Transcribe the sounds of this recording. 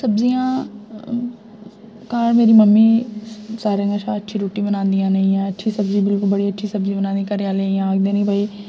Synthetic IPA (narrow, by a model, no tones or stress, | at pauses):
səbziːjãː | kaːɾmeːɾiːməmːiːsaːɾə̃ŋɡəʃʰaːətːʃʰiːɾoːʈiːbənãːnd̪ijãːnəĩːɛ̃ːətːʃʰiːsəbzĩːbɪlkʊlbəɽiːətːʃʰiːsəbzĩːbənãːnd̪iːkəɾjaːleːiːãɡd̪eːnĩːbʱaːiː